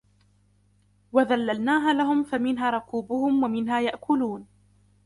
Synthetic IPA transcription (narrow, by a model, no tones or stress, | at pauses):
waðalːalnaːɦaːlaɦʊmfamɪnɦaːɾˤʊkuːbʊhʊmwamɪnɦaːjaʔkʰʊluːn